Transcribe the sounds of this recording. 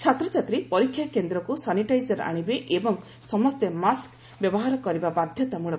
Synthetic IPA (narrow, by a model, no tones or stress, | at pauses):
t͡ʃʰat̪ɾɔt͡ʃʰat̪ɾipɔɾikʰːjakend̪ɾɔkusaniʈajd͡ʒɔɾa̰ɽ̃ibeʔebɔŋ | sɔmɔst̪emask | bjɔbɔɦaɾɔkɔɾibabad̪ʱjɔt̪amuɭɔ